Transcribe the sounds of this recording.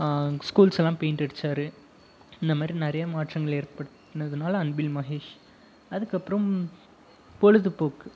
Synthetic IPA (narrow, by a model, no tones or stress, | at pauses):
skuːlsɛlːãːpeːnʈɛɽɯt͡ʃːaːɾɯ | ɪnd̪ɐmaːd̪ɾinɪɾɐjɐmaːʈrɐŋɡɐɭeːɾpɐɽɯt̪ːnːɐðɯnaːlɐɐnbilmɐɦeːʂ | ɐðɯkːɐpːɯɾɐ̃m | pɔɻɯðɯpoːkɯ